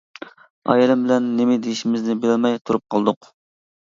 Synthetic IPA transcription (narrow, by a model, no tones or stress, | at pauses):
ɑ̰jilɪmbɪlɛnːɪmɪd̪ejiʃimɪznɪbelɪlmɛjt̪ʰuɾup̚qʰɑlˠd̪ʊq